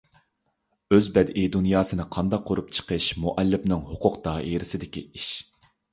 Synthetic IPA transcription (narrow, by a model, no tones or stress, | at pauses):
øzbɛd̪ʔid̪unjɑːsɨnɨqʰɑnd̪ɑqʰːoɾup̚t͡ʃʰə̥qʰəʃmuʔɛlːɪpnɨŋhʊqʰʊqt̪ɑːʔeɾɪsɪd̪ɪkʲḭiʃ